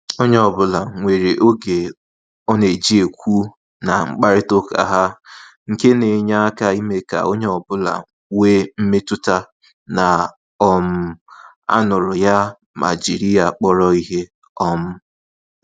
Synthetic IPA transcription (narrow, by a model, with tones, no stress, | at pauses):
o˦ɲe˦ɔ˨bʊ˦la˨ŋʷe˨ɾe˨ʔo˦ɡe˨ | ɔ˦ne˨d͡ʒi˦e˨kʷu˦ | na˨ŋ͡m̩˦k͡pa˦ɾɪ˦to˦ka̰˨ɦa˦ŋ̩˨ke˦ne˨ɲa˦a˦ka˦i˦me˦ka̰˨o˦ɲe˦ɔ˨bʊ˦la̰˨ | weː˦m̩˦me˦tʊ˦ta˦ | na˨ | ɔ˦m̩˦ | a̰˦nʊ˨ɾʊ˨ja˦ | ma̰˨d͡ʒi˨ɾi˦a˨k͡pɔ˦ɾɔ˦i˦ɦe˦ | ɔ˦m̩˦